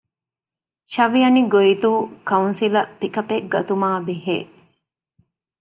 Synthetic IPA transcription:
ʃɐʋijɐniɡoit̪uːkɐunsilɐpikɐpekɡɐt̪umaːbiɦḛː

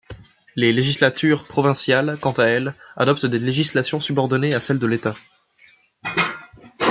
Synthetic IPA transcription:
leleʒislat̪ʰyʁpχɔvɛ̃sjalkɑ̃t̪aɛla̰d̪ɔp̚t̪d̪eleʒislasjɔ̃sybɔʁd̪ɔneasɛld̪əlet̪a

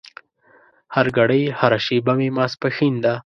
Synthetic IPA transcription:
haɾɡaɽəjhaɾaʃibamemɑspəxind̪a

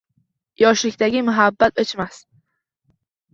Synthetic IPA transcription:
jɒʃlɪkʲt̪aɡʲɪmʊɦabːat̪ɒt͡ʃmas

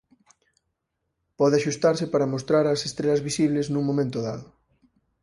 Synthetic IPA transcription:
pɔðɪaʃust̪aɾsɪpaɾɐmost̪ɾaɾɐsest̪ɾeʎɐzβisiβleznũŋmõmẽnt̪oðaðʊ

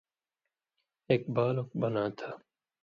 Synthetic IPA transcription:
eːk̚baːlokbɐnaːt̪ʰaː

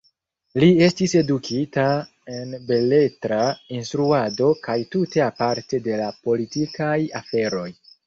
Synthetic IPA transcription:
lie̞stise̞dukʰita | e̞nbe̞le̞tɾainstɾuado̞kajtute̞apaɾte̞de̞lapolitikaja̰fe̞ɾo̞j

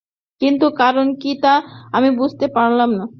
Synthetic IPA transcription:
kint̪ukaɾonkit̪aamibud͡ʑʱt̪epaɾlamna

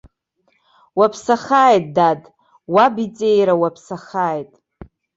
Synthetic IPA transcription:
wapʰsaχaːjt̚ʼdad | wabit͡sʼejɾawapʰsaχaːjtʼ

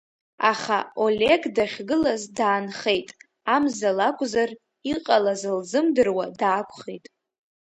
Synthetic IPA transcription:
a̰χao̞le̞ɡdaχʲɡɨlazdaːnχe̞jtʼ | amzalakʷʼzar | iqʼalazɨlzɨmdɨrwadaːkʷʰʼχejtʼ

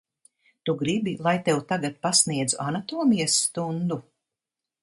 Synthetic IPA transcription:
t̪uɡɾibilˠajt̪ewt̪aɡat̪̚pasniɛd̪zuʔanat̪ɔːmijasːt̪und̪u

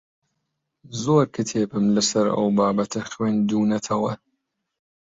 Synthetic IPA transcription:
zoːɾkɨt̪ʰeːbɨmlɨsɐɾɐ̰wbaːbɐt̪ʰɐxwiːnd̪uːnɐt̪ʰɐwɐ

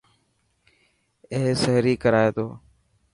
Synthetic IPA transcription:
eːsəɦɾiːkəɾaːeːt̪oː

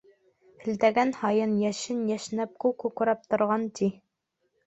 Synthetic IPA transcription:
ɘ̆ld̪æɡænhɑjɤnjæʃɘnjæʃnæp̚kʉkuq̆ɾɑp̚t̪ŏɾʁɑnt̪i

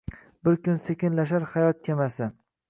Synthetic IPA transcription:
bɪɾkʲʊnsekʲɪnlaʃ̬aɾhajɒt̪̚kʲʰemasɪ

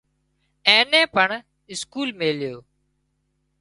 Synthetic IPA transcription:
ẽːnẽːpəɳ | ɪskuːlmeːljoː

